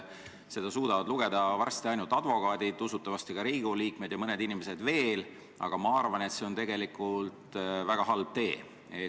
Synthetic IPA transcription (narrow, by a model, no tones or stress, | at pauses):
se̞d̪ɑsuːd̪ɑvɑd̪̥luɡ̥e̞d̪ɑvɑrst̪iɑjnult̪ːˑɑd̪̥vo̞kɑːd̪̥id̪usut̪ːˑɑvɑst̪iɡ̥ɑɾiːɡ̥oliːkme̞d̪̥jɑmɤned̪inime̞se̞d̪ve̞ːl | ɑ̰ɡ̥ɑmɑɑrvɑne̞t̪se̞o̞nt̪e̞ɡ̥e̞likːˑult̪væɡ̥ɑɦɑlb̥̚t̪e̞ː | e